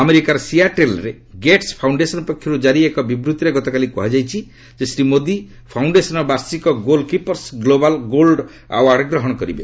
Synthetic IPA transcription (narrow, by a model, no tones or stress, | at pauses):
ameɾikaɾɔsiaʈelɾe | ɡeʈspʰawɳɖesɔnɔpɔkʰjɔɾud͡ʒaɾiekɔbibɾut̪iɾeɡɔt̪ɔkalikɔɦad͡ʒajt͡ʃʰi | d͡ʒesɾimod̪i | pʰawɳɖesɔnɔbaɾsikɔɡolkipɔɾsɡlobalɡolɖ | a̰waɽɡɾɔɦɔɽ̃ɔkɔɾibḛ